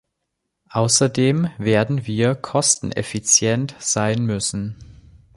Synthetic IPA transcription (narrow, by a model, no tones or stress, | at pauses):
ʔaʊsɐdeːmveːɐdn̩viːɐkʰɔstn̩ʔɛ̰fit͡sjɛntz̥aɪnmʏsn̩